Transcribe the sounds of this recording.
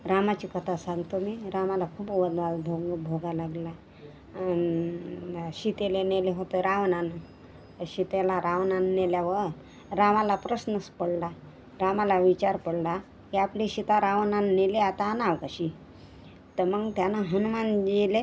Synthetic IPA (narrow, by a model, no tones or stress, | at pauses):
ɾamat͡ɕiːkət̪ʰasãŋɡt̪omiɾamalakʰuːpʋəd̪ʋalbʱoɡbʱoɡalaɡla | ɕit̪eleneleɦot̪eɾaʋnan | ɕit̪elaɾaʋnanːeljaʋə | ɾamalapɾəsnəspəɽla | ɾamalaʋit͡ɕaɾpəɽla | ɦeapliɕit̪aɾaʋnanːeleat̪aːnaʋkəɕi | t̪əɾməɡt̪janaɦənumand͡ʑele